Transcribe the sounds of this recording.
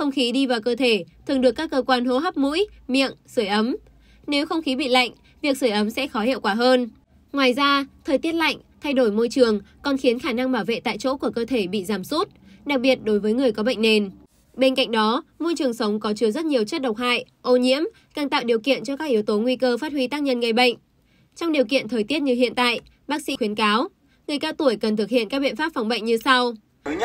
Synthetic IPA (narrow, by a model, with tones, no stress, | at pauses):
xə˧wŋ͡mxi˨˦ɗi˧vaː˨˩wkəː˧t̪ʰe˧˩t̪ʰɨ˨˩ŋɗɨ˨˩əkːaː˦˥kːəː˧kwaː˧nɦo˧˦ɦa˦˥p̚mṵ˧˥jmḭ˧˨əŋsɨ˧˩jʔə˨˦m | ne˨˦wxə˧wŋ͡mxi˨˦ɓḭ˧˨la̰˧˨jŋ̟ | vi˨˩ək̚sɨː˧˩jʔə˨˦msɛ̰˧˥xɔ˨˦hḭ˧˨wkwaː˧˩ɦəː˧n | ŋwaː˨˩jzaː˧t̪ʰəː˨˩jt̪i˦˥ət̚la̰˧˨jŋ̟t̪ʰa˧jɗo˧˩jmo˧jt͡ɕɨ˨˩əŋkɔ˨˩nxi˨˦ənxaː˧˩na˧ŋɓaː˧˩wvḛ˧˨t̪a̰ː˧˨jt͡ɕo̰˧˥ku˧˩əkəː˧t̪ʰe˧˩ɓḭ˧˨zaː˧˩msu˦˥t̚ɗa˨˩k̚ɓi˨˩ət̚ɗo˨˦jvəː˨˦jŋɨ˨˩əjkɔ˨˦ɓə̰˧˨jŋ̟ne˨˩n | ɓe˧nka̰˧˨ŋ̟ɗɔ˨˦mo˧jt͡ɕɨ˨˩əŋsə˨˦wŋ͡mkɔ˨˦t͡ɕɨ˧əzə˦˥t̚ɲi˨˩əwt͡ɕə˦˥t̚ɗwk͡p̚ha̰ː˧˨j | ʔo˧ɲḭ˧˥əm | kaː˨˩ŋt̪a̰ː˧˨wɗi˨˩əwkḭ˧˨ənt͡ɕɔ˧kaː˦˥k̚ʔi˨˦əwt̪o˨˦ŋwi˧kəː˧faː˦˥t̚hwi˨˦t̪aː˦˥k̚ɲə˧nŋə˧˩jɓə̰˧˨jŋ̟ | t͡ɕɔ˧ŋ͡mɗi˨˩əwkḭ˧˨ənt̪ʰəː˨˩jt̪i˦˥ət̚ɲɨ˧hḭ˧˨ənt̪a̰ː˧˨j | ɓaː˦˥k̚sḭ˧˥xwi˨˦ənkaː˨˦w | ŋɨ˨˩əjkaː˧wt̪u˧˩əjkə˨˩nt̪ʰɨ˨˩k̚hḭ˧˨ənkaː˦˥ɓḭ˧˨nfaː˦˥p̚fa˨˩wŋ͡mɓə̰˧˨ŋ̟ɲɨ˧sa˧w